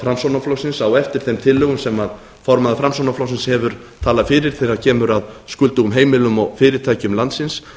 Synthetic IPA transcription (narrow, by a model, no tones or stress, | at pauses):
fɾamsownaflɔwsɪnsawɛft̪ɪɾ̥θejmt̪ʰɪlːʏɣʏmsɛmað | fɔɾmaðafɾamsownaflɔwsɪnshɛvʏɾ̥ | t̪ʰaːlafɪːɾɪɾ̥t̪ʰɪɾaɾcʰɛːmʏɾaðskʏlt̪uɣʏmɦeːjmɪlʏmɔɣfɪːɾɪɾ̥t̪ʰaːjcʏmlant̪sɪns